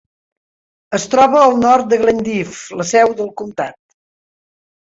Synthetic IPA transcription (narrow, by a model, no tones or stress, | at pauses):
əst̪ɾɔβəːlˠnɔrt̪̚d̪əɣlənd̪ifləsɛwðəlˠkumt̪a̰t̪̚